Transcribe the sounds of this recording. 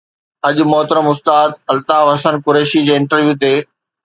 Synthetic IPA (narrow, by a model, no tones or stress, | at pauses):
ɐʄʊ̆mɔɦt̪ɾəmʊst̪aːd̪̚ɐlt̪aːʋɐsənkʊɾeːʃid͡ʑeːɪ̃ɳʈəɾʋjuːt̪eː